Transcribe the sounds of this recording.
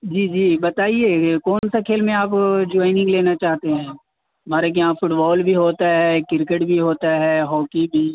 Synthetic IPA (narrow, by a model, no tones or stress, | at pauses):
d͡ʒiːd͡ʒiːbɐt̪aːieːkɔːnsakʰeːlmẽaːpd͡ʒɔːɪnɪ̃ŋɡleːnat͡ʃaːɦt̪eɦɛ̃ː | maːɾek̬iɦãfʊʈbɔːlbʱiɦoːt̪aɦɛːkɪɾkəʈbʱiɦoːt̪aɦɛːɦɔːkibʱiː